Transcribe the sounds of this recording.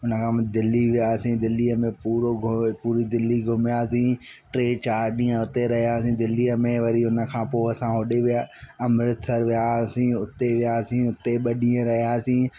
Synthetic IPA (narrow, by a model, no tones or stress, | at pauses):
ʊnə̆kʰãːmd̪ɪlːiʋijaːsĩd̪ɪlːiːəmẽpuːɾoɡpuːɾid̪ɪlːiɡʱʊmjaːsĩː | ʈɾeːt͡ɕaːɾɗĩːə̃ʊt̪eɾɐɦijaːsĩd̪ɪlːiːəmẽʋɐɾiʊnə̆kʰãːpoːɐsãɦoːɗeʋijaːɐmɾɪt̪ʰəɾʋijasĩʊt̪eʋijaːsĩʊt̪eɓɐɗĩːə̃ɾɐɦijaːsĩː